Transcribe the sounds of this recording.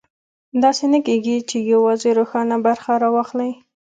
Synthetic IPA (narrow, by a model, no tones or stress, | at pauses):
d̪ɑsenakeɡit͡ʃejawɑzeɾoxɑnabaɾxaɾɑwɑxlaj